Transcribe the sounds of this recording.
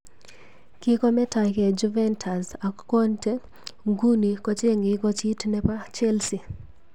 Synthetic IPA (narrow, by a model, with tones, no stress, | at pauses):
ki˦kɔ˦mɛ˦ta˨kɛ˨d͡ʒu˦vɛntʰa˨sa˨kɔ˦ntɛ˦ | ŋɡu˦ni˨kɔ˦t͡ʃe˦ŋɡɪkɔ˦t͡ʃi˦tnɛpa˦t͡ʃɛ˦lsi˨